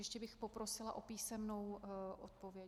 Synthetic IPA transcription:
jɛʃcɛbɪxpo̞pɾo̞sɪlaʔopiːsɛmnowʔot̪povjɛ

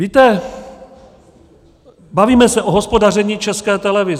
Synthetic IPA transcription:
viːt̪ɛ | baviːmɛsɛʔoɦospo̞darɛɲiːt͡ʃɛskɛːt̪ɛlɛvɪz

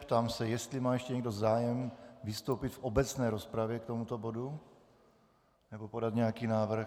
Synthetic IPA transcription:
pt̪aːmsɛjɛst̪lɪmaːjɛʃcɛɲɛɡdo̞zaːjɛmvɪst̪owpɪt̪fʔobɛt͡snɛːɾospɾavjɛkt̪o̞mut̪obodu | nɛbopodat̪ɲɛjakiːnaːvr̩x

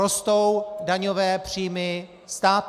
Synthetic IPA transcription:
ost̪o̞wdaɲovɛːpr̝̥iːmɪ | st̪aːt̪

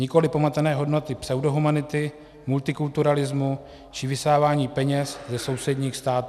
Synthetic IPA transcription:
ɲɪko̞lɪpomat̪ɛnɛːɦo̞dno̞t̪ɪpsɛwdoɦumanɪt̪ɪ | mult̪ɪkult̪uɾalɪzmu | t͡ʃɪvɪsaːvaːɲiːpɛɲɛszɛso̞wsɛdɲiːxst̪aːt̪ː

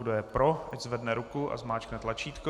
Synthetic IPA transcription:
ɡdojɛpɾoʔaczvɛdnɛɾukuʔa̰zmaːt͡ʃknɛt̪lat͡ʃiːt̪ko

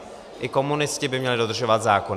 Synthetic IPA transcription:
ʔɪko̞munɪscɪbɪmɲɛlɪdo̞d̪r̩ʒovat̪zaːkon

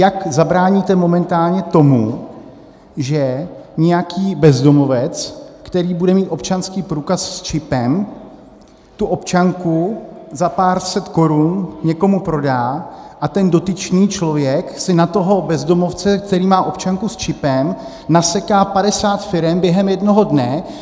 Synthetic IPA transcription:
jakzabɾaːɲit̪ɛmo̞mɛnt̪aːlɲɛt̪o̞mu | ʒɛɲɛjakʰiːbɛzdo̞mo̞vɛt͡skt̪ɛɾiːbudɛmiːt̪ʔo̞pt͡ʃanskiːpɾuːkasst͡ʃɪpɛm | t̪uʔo̞pt͡ʃaŋkuzapaːɾsɛt̪ko̞ɾunɲɛko̞mupɾo̞daːʔat̪ɛndo̞t̪ɪt͡ʃɲiːt͡ʃlo̞vjɛksɪnat̪o̞ɦo̞bɛzdo̞mo̞ft͡sɛk̚t̪ɛɾiːmaːʔo̞pt͡ʃaŋkust͡ʃɪpɛm | nasɛkaːpadɛsaːt̪fɪɾɛmbjɛɦɛmjɛdno̞ɦo̞dnɛ

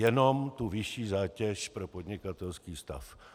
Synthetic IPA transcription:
jɛno̞mt̪uvɪʃiːzaːcɛʃpɾo̞pod̪ɲɪkat̪ɛlskiːst̪a̰f

